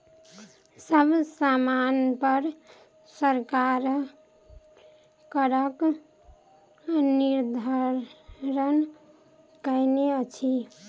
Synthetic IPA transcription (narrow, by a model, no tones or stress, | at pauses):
səbʱsamanpəɾ | səɾkaɾ | kəɾək | niɾd̪ʱəɾɾən | kəjneət͡ʃʰi